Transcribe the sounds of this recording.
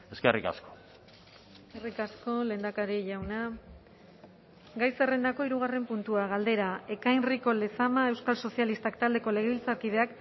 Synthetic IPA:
eskerika̰sko̥ | skerikasko̞le̞ːnd̪akaɾiʝawna | ɡajsere̞nd̪ako̞iɾuɣ̞are̞mpunt̪uaɣ̞ald̪e̞ɾae̞kajnriko̞le̞samae̞wskalso̞sialist̪akt̪ald̪e̞ko̞le̞ɣ̞eβilt͡saɾkið̞e̞ak

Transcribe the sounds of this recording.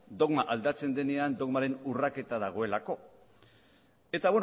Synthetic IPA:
d̪o̞ɣmaʔald̪at͡se̞nd̪e̞ne̞and̪o̞ɣmaɾe̞nurake̞t̪að̞aɣ̞o̞e̞lako̞ | e̞t̪awe̞n

